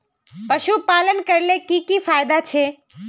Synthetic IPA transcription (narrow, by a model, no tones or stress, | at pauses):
pɐʃupaːlənkɐɾlekikifaːjd̪at͡ʃʰe